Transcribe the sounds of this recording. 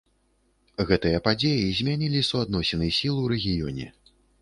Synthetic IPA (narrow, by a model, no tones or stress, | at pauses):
ɣɛt̪ɨjɐpad͡zʲejizʲmʲanʲilʲisuad̪nɔsʲɛnɨjsʲilˠɨwɾɛɣʲijɔnʲɛ̰